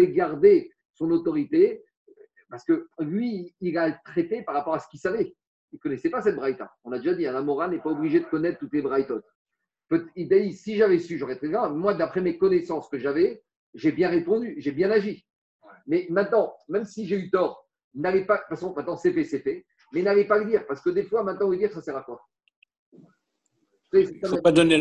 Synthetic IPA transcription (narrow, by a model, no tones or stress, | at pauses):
ɛɡaʁd̪e | sɔ̃not̪ɔʁit̪e | paʁsə̥kəlɥiːlalət̪χet̪epaʁapɔʁasə̥kʲilsavɛ | ilkɔnɛsɛpasɛt̪̚bʁajt̪a̰ɔ̃nlad̪eʒad̪iɛ̃lamɔʁanɛpaɔbliʒed̪əkɔnɛt̪χt̪ːut̪lebʁajt̪ɔt̪ | pøt̪ɛid̪ajisiʒavɛsyʒɑʁɛt̪χɛɡʁamwad̪apχɛmekɔnesɑ̃skəʒavɛ | ʒebjɛ̃ʁepɔ̃d̪yʒebjɛ̃naʒi | mɛmɛ̃t̪nɑ̃mɛmsiʒeyt̪ɔːʁ | nalɛpafasɔ̃mɛ̃t̪̚nɑ̃sepɛset̪ɛ | mɛinalɛpaləd̪iːʁpaʁsə̥kəd̪efwamɛ̃t̪̚nɑ̃yd̪iʁsasɛʁakɔʁ | ɛsɛkapad̪ɔne